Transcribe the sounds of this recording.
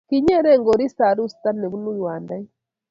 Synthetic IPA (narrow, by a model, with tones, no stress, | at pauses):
ki˦ɲɛ˦ɾɛ˦˨ŋɡo˨ɾi˦sa˨ɾu˦st̪a˦ne˨βu˦nu˦jwa˨nda˦i˦